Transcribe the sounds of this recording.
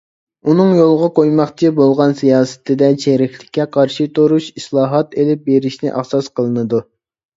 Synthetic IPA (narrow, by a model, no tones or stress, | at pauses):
unɨŋjolˠʁɑqʰojmɑχt͡ʃʰibolˠʁɑnsijɑːsɨ̥t̪ʰɪd̪ɛt͡ʃʰeɾɪkʲlɪ̥kʲʰːɛqʰɑɾʃit̪ʰoɾuʃislˠɑːɦɑt̪elɪp̚beɾɪʃnɪ̰ʔɑ̰χsɑsqəlˠɨnɨd̪u